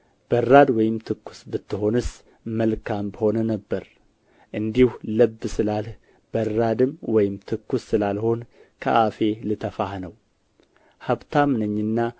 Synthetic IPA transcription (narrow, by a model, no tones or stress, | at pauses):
b̥ərːad̪wɔjɪmt̪ʰɨkːu̥sbɨt̪ʰːɨɦo̞nɨs | məlkʰambəho̞nənəbːəɾ | ʔɨnd̪ihuləbːsɨlalh | b̥ərːad̪ɨmwɔjɪmt̪ʰɨkːusːɨlalho̞nkʰə̰ʔafe̞lɨt̪ʰəfahnəw | haβt̪ʰamɨnɨɲːɨnːa